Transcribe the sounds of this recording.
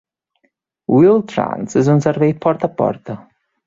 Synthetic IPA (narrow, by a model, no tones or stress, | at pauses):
wilˠt̪ɾa̰nsɪzunsəɾvejt̪̚pʰɔɾt̪apɔ̰ɾt̪ə